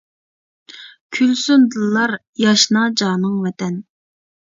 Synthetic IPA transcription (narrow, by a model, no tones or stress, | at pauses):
kʲʰylsund̪ɨlˠːɑɾ | jɑʃnɑd͡ʒɑːnɨŋvɛt̪ɛn